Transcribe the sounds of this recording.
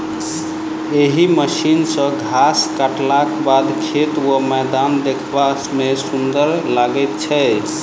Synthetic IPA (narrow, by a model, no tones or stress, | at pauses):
eɦiməʃinsə̃ɡʱaskaʈlakbad̪kʰet̪wəmɛd̪and̪ekʰbasmesund̪əɾlaɡɛt̪̚t͡ʃʰɛ